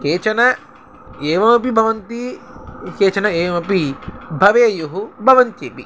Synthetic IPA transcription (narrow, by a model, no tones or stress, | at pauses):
keːt͡ʃɐnɐ | eːʋɐmɐpibʱɐʋɐnt̪i | keːt͡ʃɐnɐeːʋɐmɐpibʱɐʋeːjuɦubʱɐʋɐnt̪jeːpi